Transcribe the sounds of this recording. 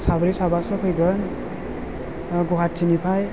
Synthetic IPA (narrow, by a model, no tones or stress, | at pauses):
sabɾisabasɔkʰɯjɡʌn | ɡɔɦat̚tʰinipʰaj